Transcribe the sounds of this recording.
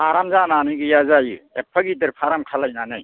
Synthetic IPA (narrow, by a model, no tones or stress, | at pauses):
aɾamzananɯɡɯjazajɯ̰epʰaɡidɯɾpʰaɾamkʰalajnanɯj